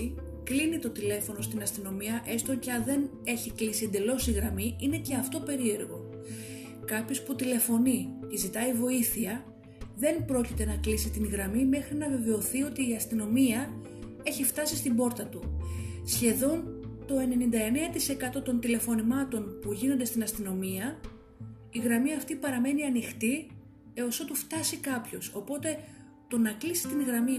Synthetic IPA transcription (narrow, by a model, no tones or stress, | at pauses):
i | klinit̪o̞t̪ile̞fo̞no̞st̪inɐst̪ino̞miɐʔe̞st̪oceɐnðe̞ne̞çiklisiend̪e̞lo̞siɣɾɐmiine̞ce̞ɐft̪o̞pe̞ɾie̞ɾɣo̞ | kɐpçosput̪ile̞fo̞nice̞zit̪ɐivo̞iθiɐ | ðe̞npɾo̞cit̪e̞nɐklisit̪inɣɾɐmime̞xɾinɐve̞ve̞o̞θio̞t̪iːɐst̪ino̞miɐ | e̞çift̪ɐsist̪imbo̞ɾt̪ɐt̪usçe̞ðo̞nt̪o̞e̞ne̞nind̪ɐe̞ne̞ɐt̪ise̞kɐt̪o̞t̪o̞nt̪ile̞fo̞nimɐt̪o̞npuʝinond̪est̪inɐst̪ino̞miɐ | iɣɾɐmiɐft̪ipɐɾɐme̞niɐnixt̪i | eo̞so̞t̪uft̪ɐsikɐpço̞so̞po̞t̪e̞ | t̪o̞nɐklisi̥t̪inɣɾɐmi